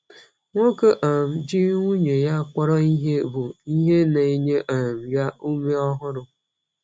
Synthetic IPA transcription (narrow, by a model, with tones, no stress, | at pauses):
ŋʷo˦ko˦ʔa˨m̩˦d͡ʒi˦ŋʷu˦ɲe˨ja˦kʷɔ˦ɾɔ˦i˦ɦe˦bʊ˨i˦ɦe˦na˨i˦ɲe˦ʔa˨m̩˨ja˦u˦me˦ɔ˦ɦʊ˦ɾʊ˦